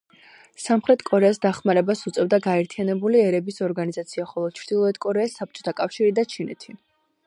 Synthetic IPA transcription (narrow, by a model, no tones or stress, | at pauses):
samχɾɛt̪ʰʼkʼɔɾɛasd̪aχmaɾɛbasut̪sʼɛvd̪aɡaɛɾt̪ʰianɛbuliɛɾɛbisɔɾɡanizat̪sʰiaχɔlˠɔt͡ʃʰɾd̪̥ilˠɔɛt̪kʼɔɾɛasːap̚t͡ʃʼɔ̥t̪ʰakʼafʃiɾid̪at͡ʃʰinɛ̰t̪ʰi